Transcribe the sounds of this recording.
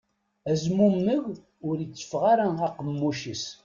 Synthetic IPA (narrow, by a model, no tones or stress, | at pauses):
æzmumːəʝ | ʊɾjət͡sːə̥fʁaɾæaqəmːuʃis